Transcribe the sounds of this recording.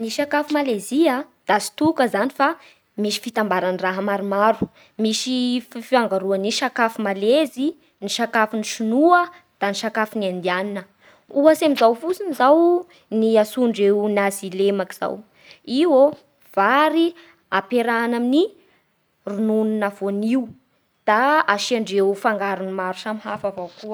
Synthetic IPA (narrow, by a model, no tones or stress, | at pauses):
niʃakafumaleziad̪̥asi̥t̪ukəzanifa | miʃi̥fit̪ambaɾaniraɦəmaɾumaɾu | miʃiffiaŋɡaɾuaniʃakafumalezi | niʃakafiniʃunuə | d̪̥aniʃakafiniand̪ianinə | uasemizawfut͡sinizaw | niasuɳɖ͡ʐewnazilemakiz̥a̰w | iwo | v̥aɾi | apeɾanamini | runununavoniw | d̪̥aaʃiaɳɖ͡ʐewfaŋɡaɾunimaɾusamɦafavawkuə